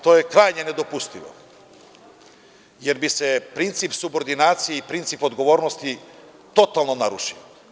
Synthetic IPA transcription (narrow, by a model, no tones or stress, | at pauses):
t̪o̞ːjekɾaːjɲened̪opust̪iʋo̰ | jeɾbise̞pɾint̪sipsubo̞ɾd̪inaːt̪sijeipɾint̪sipo̞d̪ɡo̞ʋo̞ːɾnost̪i | t̪o̞t̪alˠno̞naɾṵʃḭo